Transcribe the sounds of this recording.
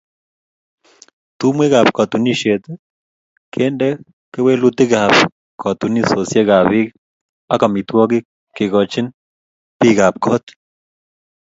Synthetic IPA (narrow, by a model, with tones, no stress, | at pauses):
t̪u˦mwe˦ɣa˨pkɔ˨t̪u˨ni˦ʃe˨t̪ | kʰe˦ndɛ˦ | kɛ˦we˦lu˦t̪ɪ˦ɣa˨p | kɔ˨t̪u˨ni˦so˨sje˦ɣa˨βi˦ | a˦ka˨mi˨t̪wɔ˦ɡi˦ | kɪ˨ɣɔ˨t͡ʃi˦n | pi˦ɣa˨p̚kʰɔ˦t̪